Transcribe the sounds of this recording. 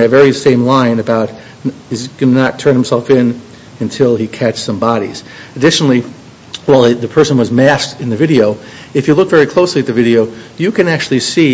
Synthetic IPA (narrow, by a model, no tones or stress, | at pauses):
ɨvɛɹisẽɪ̃mlãɪ̃nɨbaʊt̚ | nɨzɡ̥ʌnɨnətʰɜ̃˞nhɨmsɛlˠfɪ̃n | ɨ̃ntʰɪlˠikʰæt͡ʃsʌ̃mbɑɾḭz̥ | ɨdɪʃnl̩ˠi | waɪlˠðɨpʰɜ˞sə̃n̩wʌzmæstɨ̃nðɨvɪɾioʊ | ɨfjɨlʊkvɛɹikʰl̥oʊsliɨt̪̚ðɨvɪɾioʊjɨkɨ̃næk̚t͡ʃʉl̩ˠisi